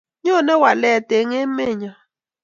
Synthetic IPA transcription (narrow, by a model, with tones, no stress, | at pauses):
ɲɔ˦˨nɛ˦wa˨lɛ˨te˨˦ŋe˦me˦˨ɲa˨